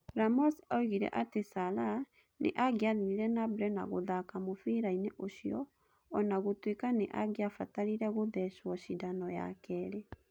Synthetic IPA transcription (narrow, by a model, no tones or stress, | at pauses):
ɾamɔsaoiɣiɾɛ̰ʔatesala | nḛʔaɡeaðiɾiɾɛnabɾɛna̰ɣoðakamofiɾaineʔoʃiɔ | ɔnaɣotwekaneʔaɡeafataɾiɾɛɣoðɛʃwɔʃidanɔja̰kɛɾe